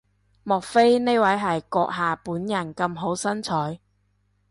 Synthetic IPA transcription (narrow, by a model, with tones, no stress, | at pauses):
mɔː˨˩k̚fe˥jne˥jwɐ˨˥jɦɐ˨jkɔː˧k̚ɦaː˨puː˨˥njɐ˨˩nkɐ˧mɦo˨˥wsɐ˥nt͡sʰɔː˨˥j